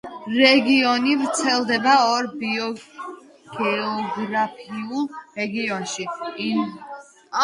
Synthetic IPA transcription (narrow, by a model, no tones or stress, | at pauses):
ɾɛɡiɔnivɾt̪sʰɛlˠd̪ɛbaɔɾbiɔ | ɡ̥ɛɔɡɾapʰiulˠɾɛɡiɔnʃi